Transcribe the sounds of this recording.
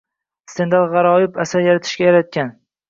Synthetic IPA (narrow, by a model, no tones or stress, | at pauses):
st̪ʰe̞nd̪alˠʁɑɾɒjɪpʰasaɾjaɾat̪ʰɪ̥ʃkʲajaɾat̪̚kʲan